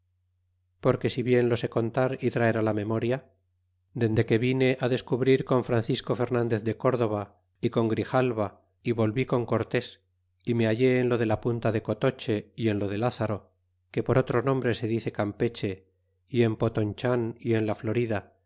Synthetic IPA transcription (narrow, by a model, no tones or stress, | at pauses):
po̞ɾke̞siβje̞nlo̞se̞ko̞nt̪aɾit̪ɾaeɾalamẽ̞mo̞ɾja | d̪e̞nd̪e̞ke̞βine̞ʔaðe̞skuβɾiɾko̞ɱfɾanθisko̞fe̞ɾnãnd̪e̞θðe̞ko̞ɾðo̞β̞a | iko̞ŋɡɾixalβa | iβo̞lβiko̞ŋko̞ɾt̪e̞s | imeaʝe̞ːnlo̞ð̞e̞lapunt̪aðe̞ko̞t̪o̞t͡ʃe̞ie̞nlo̞ð̞e̞laθaɾo̞ | ke̞po̞ɾo̞t̪ɾo̞nõ̞mbɾe̞se̞ðiθe̞kampe̞t͡ʃe̞ | ie̞mpo̞t̪ont͡ʃanie̞nlaflo̞ɾiða